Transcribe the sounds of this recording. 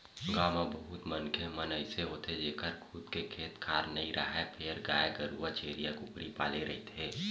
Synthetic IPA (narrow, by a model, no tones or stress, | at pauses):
ɡaːmãbəɦʊt̪mənkʰemənəiseɦoːt̪ed͡ʒeːkəɾkʰʊd̪kekʰeːt̪kʰaːɾnɐɦĩɾʔə̰ɦɛpʰeɾɡa̰ːeɡəɾuat͡ʃeːɾijakʊpɾipa̰ːleɾɐ̰ɦit̪ʰeː